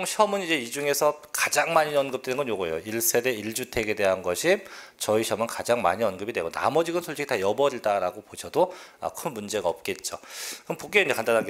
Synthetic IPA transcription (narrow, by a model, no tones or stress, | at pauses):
ŋɕʰjʌmɯnid͡ʑe̞id͡ʑuŋe̞sʰʌkad͡ʑaŋmaɲiʌnɡɯp̚t͈wenɯnɡʌnjoɡoḛjo̰iɭs͈e̞ɾeiɭd͡ʑutʰe̞ɡe̞de̞ɦanɡʌɕʰit͡ɕʌiɕʰjʌmɯnkad͡ʑaŋma̰ɲiʌnɡɯbidwe̞ɡona̰mʌd͡ʑiɡɯnsʰoɭt͡ɕ͈ʰiɡitajʌbʌɾiɭdaɾaɡopoɕʰʌdoʌ̰kʰɯnmund͡ʑe̞ɡaʌp̚k͈e̞t̚t͡ɕ͈o̰kɯpok͈eiɲd͡ʑekandanɦaɡ